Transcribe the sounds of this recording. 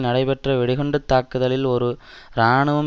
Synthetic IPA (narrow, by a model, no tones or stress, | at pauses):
nɐɽɐɪpɛʈrɐʋɛɽɪɣɔɳɖɯt̪ːaːkːɯðɐlɪlɔɾɯ | ɾaːɳɯʋɐm